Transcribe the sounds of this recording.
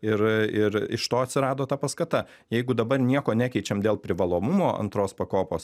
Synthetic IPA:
ɪɾɪɾɪ̰ʃt̪oːɐt̪ʲsʲɪɾɑːd̪oːt̪ɐpɐskɐt̪ɐ | jɛɪɡʊd̪ɐbɐrnʲiɛkoːnʲæːkʲɛɪt͡ʃʲɛmd̪ʲeːlˠpʲɾʲɪʋɐlˠoːmʊmoːɐ̰nt̪ɾoːspɐkoːpoːs

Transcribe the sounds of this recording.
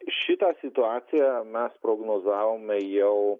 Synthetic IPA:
ʃʲɪt̪ɑːsʲɪt̪ʊɑːt̪sʲɪjɛmʲɛspɾoːɡnoːzɑːʋoːmʲɛjɛʊ

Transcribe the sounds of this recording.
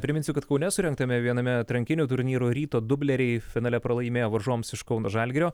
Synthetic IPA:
pʲɾʲɪmʲɪnsʲɪkɐt̪kɐʊnʲɛsʊɾʲɛŋk̚t̪ɐmʲɛʋʲiɛnɐmʲɛt̪ɾɐŋʲkʲɪnʲuːt̪ʊɾʲnʲiːɾuːɾʲiːt̪oːd̪ʊbʲlʲɛɾʲɛɪfʲɪnɑːlʲɛpɾɐlˠɐɪmʲeːjoːʋɐɾʒuɔmsɪʃkɐʊnoːʒɐlʲɡʲɾʲoː

